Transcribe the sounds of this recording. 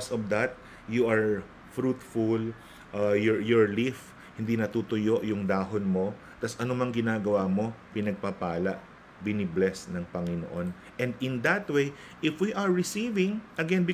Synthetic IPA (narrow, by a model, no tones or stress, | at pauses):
sɔvd̪ɐt̪̚ | juʔɐɹ | fɾut̪ful | ʔajɔjɔɹlif | hɪnd̪inɐt̪ut̪ʊjo̞ʔjʊŋd̪aːɦonmo̞ | t̪ɐsʔɐnomɐŋɡɪnaːɡɐwaːmo̞pɪnɐɡ̚papaːlɐʔ | bɪnɪblɛsnɐŋpɐŋɪno̰ʔo̞n | ʔɛ̃nd̪ɪnd̪ɐt̪wej | ʔɪfwiʔɐɹːɪsivɪ̃ŋʔɐɡɛnbɪ